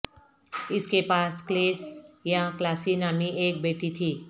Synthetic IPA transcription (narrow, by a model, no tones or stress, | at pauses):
ɪskepaːskleːsjãklaːsinaːmiʔeːk̚beːʈit̪ʰiː